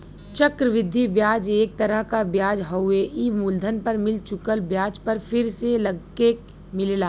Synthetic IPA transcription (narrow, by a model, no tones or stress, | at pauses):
t͡ʃəkɾəʋɪd̪ʱːibjaːd͡ʒeːk̚t̪ɐɾəɦkabjaːd͡ʒɦəʊeʔimuld̪ʱənpɐɾmɪlt͡ʃʊkəlbjaːd͡ʒpəɾfʰɪɾseləɡ | eːk | mɪlːlaː